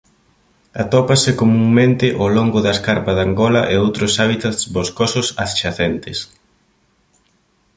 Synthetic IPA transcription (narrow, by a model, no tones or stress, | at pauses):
at̪ɔpasɪkomuŋmẽnt̪ɪʔoloŋɡʊðɐeskaɾpɐðaŋɡɔlɐʔeowt̪ɾʊsaβ̞it̪at̪sβoskosʊsa̰θt͡ʃaθent̪ɪs